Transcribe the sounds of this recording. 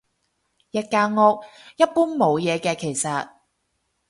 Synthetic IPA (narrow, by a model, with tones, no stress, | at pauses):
jɐ˧t̚kaː˧ŋɔː˧k̚jɐ˥t̚puː˥nmo˨˧wjɛː˨˧kɛː˧kʰe˨˩jsɐ˨t̚